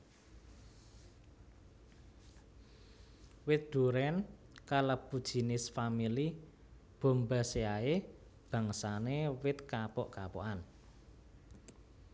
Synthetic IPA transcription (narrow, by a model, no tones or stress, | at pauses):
wɪt̪̚d̪̥ṳɾɛn | kaləbud̥ʒ̥i̤nɪsfamili | b̥o̤mba̤seae | b̥ä̤ŋsanewɪt̪̚kapɔʔkapɔ̰ʔan